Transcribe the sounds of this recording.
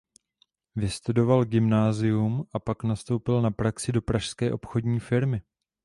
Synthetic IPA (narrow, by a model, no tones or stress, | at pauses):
vɪst̪udo̞valɡɪmnaːzɪjumʔapaknast̪owpɪlnapɾaksɪdo̞pɾaʃskɛːʔo̞pxo̞dɲiːfɪɾmɪ